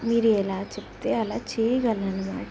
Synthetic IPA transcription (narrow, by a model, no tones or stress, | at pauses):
miːɾuɛlaːt͡ʃepu̥t̪eːɐlaːt͡ʃɛːjɐɡɐlːɐnuma̰ːk